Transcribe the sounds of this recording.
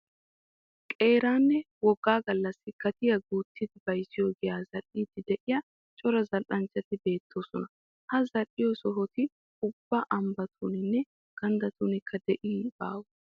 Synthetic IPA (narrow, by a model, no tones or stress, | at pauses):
kʼe̞ːɾaːnːɛ | wɔɡːaːɡɐlːɐsːɪkɐt̪ɪjɐɡuːt̪ʰːɪd̪ɪbɐjsɪjɔɡɪjaːzɐʔiːt̪ːɪd̪ɛʔɪjɐ | t͡ʃʼɔɾɐzɐlʔɐnt͡ʃːɐt̪ɪbe̞ːt̪ːo̞ːsɔnɐ | hɐzɐʔɪjɔsɔɦɔt̪ɪ | ʊbːɐʔɐmbɐt̪ʰuːnɪnːɛ | ɡ̥ɐnd̪ɐt̪uːnɪkʰːɐd̪ɛʔiːba̰ːwɔ